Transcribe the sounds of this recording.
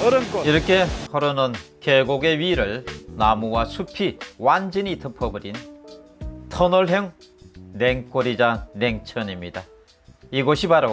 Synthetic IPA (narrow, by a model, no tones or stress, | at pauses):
ɾkiɾʌkʰe̞hʌɾonɯnkeɡoɡe̞ɥiɾɯɭnamuwasʰupʰiwand͡ʑiɲitʰɯpʰʌbɯɾin | tʰʌnʌɭɦeŋneŋk͈oɾid͡ʑane̞ŋt͡ɕʰʌnimɲid̥a | iɡʌɕʰibaɾo